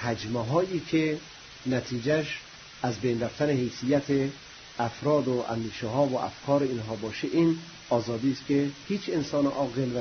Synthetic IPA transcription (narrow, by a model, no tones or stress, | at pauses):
hæd͡ʒmeɦɒːʔiːkʰe | næt̪ʰiːd͡ʒæʃ | æzbejnɾæft̪ænehejsijæt̪ʰe | æfɾɒːd̪oʔæ̰nd̪iːʃɛɦɒːvoʔæ̰fkʰɒːɾeinɦɒːbɒːʃeʔin | ɒːzɒːd̪iːst̪kehiːt͡ʃensɒːneʔɒːɣelvæ